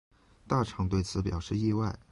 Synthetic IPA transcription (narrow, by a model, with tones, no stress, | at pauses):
t̪a˥˩ʈ͡ʂʰɑ˧˥ŋt̪we˥˩ɪt͡sʰɹ̩˧˥pjɑ˨˩ʊʂɻ̩˥˧i˥˧wa˥˩ɪ